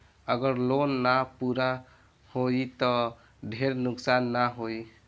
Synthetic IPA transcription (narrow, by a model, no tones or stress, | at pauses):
əɡəɾlonːapuɾa | hoit̪ɔ | ɖʱeɾnʊksanːaɦoi